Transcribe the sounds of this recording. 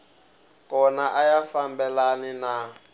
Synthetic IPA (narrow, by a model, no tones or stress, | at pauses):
kʼɔnaʔajafambɛlanina